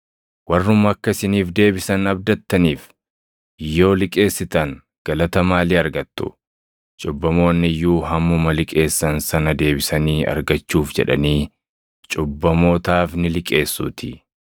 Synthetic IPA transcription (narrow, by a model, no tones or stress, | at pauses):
wɐrːʊmɐkːɐsɪniːfd̪e̞ːbɪsɐnɐb̚d̪ɐt̪ːɐniːf | jːo̞ːlɪkʼe̞ːsːɪt̪ɐŋ | ɡ̥ɐlɐt̪ɐmaːliːɐɾɡɐt̪ːʊ̰ | t͡ʃʼʊbːɐmo̞ːnːɪjːuːɦɐmːʊmɐlɪkʼe̞ːsːɐnsɐnɐd̪e̞ːbɪsɐniːɐ̰ɾɡɐt͡ʃːuːfd͡ʒɛ̰ᶑɐ̰niː | t͡ʃʼʊbːɐmo̞ːt̪aːfnɪlɪkʼe̞ːsːṵːt̪ɪ